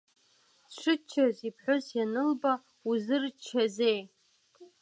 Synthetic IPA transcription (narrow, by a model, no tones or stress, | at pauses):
ʂʷɨt͡ʃʰːazipʰħʷʊzjanɨlba | uzɨrt͡ʃʰazej